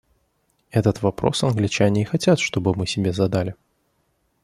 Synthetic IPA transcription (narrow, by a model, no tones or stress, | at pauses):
ɛt̪ət̪vɐpɾo̰sɐnɡlʲɪt͡ɕanʲɪːxɐt͡sʲat̪ʂt̪obɨmɨsʲɪbʲezɐd̪alʲɪ